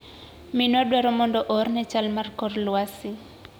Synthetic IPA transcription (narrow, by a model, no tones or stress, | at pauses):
minadwɛɾɔmɔndɔʔɔrnɛt͡ʃalmarkɔrlwasi